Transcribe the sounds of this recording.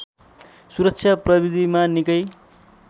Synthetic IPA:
suɾʌk̚t͡sʰjaprʌbid̪ʱimanikʌj

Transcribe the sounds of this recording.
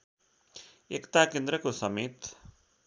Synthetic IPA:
ekt̪akend̪ɾʌkosʌmet̪

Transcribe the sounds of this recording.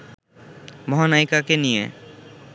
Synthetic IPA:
mɔɦɔnajkakenijḛ

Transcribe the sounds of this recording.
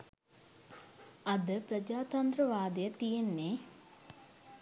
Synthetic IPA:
ɐd̪əpɾəd͡ʒaːt̪ɐnd̪ɾəʋaːd̪əjət̪ijenːe

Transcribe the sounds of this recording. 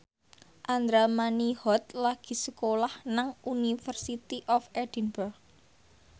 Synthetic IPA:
ʔand̪ɾamanihɔt̪̚laɡ̥i̤səkolahnaŋʔunifərsit̪iʔɔfɛd̥inburɡ̚

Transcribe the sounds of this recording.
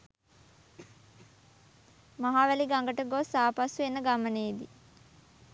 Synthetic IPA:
maɦaːʋæliɡaŋɡəʈəɡosaːpasuʋenːəɡaməneːd̪i

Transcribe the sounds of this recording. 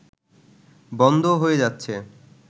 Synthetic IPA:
bɔnd̪ʱoɦoed͡ʑatːɕʰe

